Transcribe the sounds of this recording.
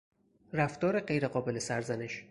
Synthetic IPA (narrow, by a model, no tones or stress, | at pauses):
ræft̪ɒːɾeɢe̞jɾe̞ɢɒːbe̞lesæɾzæneʃ